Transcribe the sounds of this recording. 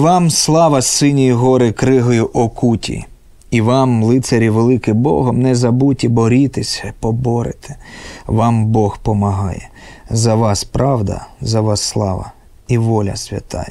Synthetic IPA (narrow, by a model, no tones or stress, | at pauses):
ʋɑmslˠɑʋɐsɪnʲijiɦɔɾɪkɾɪɦɔjʊʔɔkutʲḭ | iʋɑmlˠɪt̪seɾʲiʋelˠɪkɪbɔ̰ɦɔmnɛzɐbutʲibɔɾʲit̪esʲɐpɔbɔɾḛt̪ʰɪ̥ʋɑmbɔxpɔmɐɦɑ̰jɛ̰ | zɐʋɑspɾɑwd̪ɐ̰zɐʋɑsːlˠɑ̰ʋɐ̰ | iʋɔlʲɐ̰sʲʋʲɐ̰t̪ɑ̰jɛ